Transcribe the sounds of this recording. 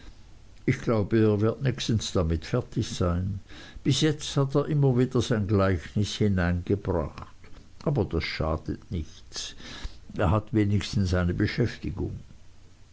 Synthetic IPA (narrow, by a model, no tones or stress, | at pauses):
ʔɪçɡ̥laʊbəeːɐvɪɐtnɛçstn̩sd̥amɪtfɛɐtɪçz̥aɪnb̥ɪsjɛt͡sthateːɐʔɪmɐviːd̥ɐzaɪnɡlaɪçnɪshɪnaɪnɡəbʁa̰χt | ʔaːbɐd̥asʃaːd̥ətnɪç | t͡s | eːɐɦatveːnɪçstn̩saɪnəbəʃɛftɪɡʊ̰ŋ